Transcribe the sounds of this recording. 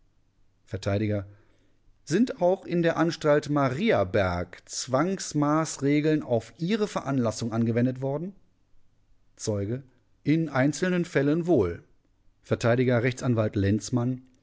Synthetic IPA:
fɛɐtʰaɪɾɪɡɐ | zɪntaʊxɪndeːɐʔanʃtaltmaʁiːabɛɐkt͡sv̥aŋsmaːsʁeːɡl̩naʊfʔiːʁəfɛɐʔanlasʊŋʔanɡəvɛndətv̥ɔɐdn̩ | t͡sɔʏɡə | ʔɪnʔaɪnt͡sl̩nənfɛlənvoːl | fɛɐtʰaɪɾɪɡɐʁɛçt͡sanvaltlɛnt͡sman

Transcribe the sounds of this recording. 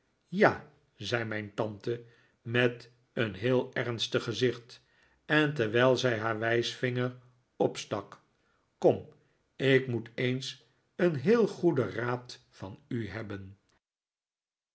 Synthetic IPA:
jaː | zɛjmɛjntɑntə | mɛt | ənɦɪːlˠɛʁnstəχəzɪχt | ɛntɛɹʋɛlˠzɛjɦaːɹʋɛjsfɪŋəɹ | ɔpstɑk | kɔm | ɪkmutejns | ənɦɪːlˠχudəraːt | fɑnyɦɛbən

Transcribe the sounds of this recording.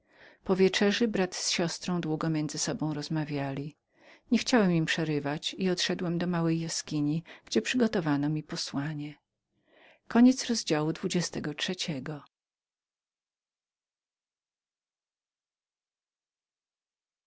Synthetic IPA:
pɔvʲjɛt͡ʂɛʐɨbɾat̪sɕɔst̪ɾɔ̃w̃d̪wuɡɔmʲjɛnd̪zɘsɔbɔ̃w̃ɾɔzmavʲjalʲi | ɲɛxt͡ɕawɛmimpʂɛɾɘvat͡ɕiɔt̪ʂɛd̪wɛmd̪ɔmawɛjːaskʲiɲiɡ̥d͡ʑɛpʂɘɡɔt̪ɔvanɔmʲipɔswaɲɛ | kɔɲɛt̪sɾɔzd͡ʑawud̪vud͡ʑɛst̪ɛɡɔtʂɛt͡ɕɛɡɔ

